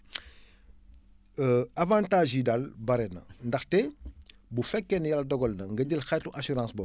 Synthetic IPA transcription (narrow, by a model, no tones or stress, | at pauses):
avãːntaːʒidɐlbɐɾɛnɐ̰ndɐxtɛ | bufɛkːɛnjɐlɐdɔɡɔlnɐŋɡɐɟəlxɛtuʔasyɾãːsbɔ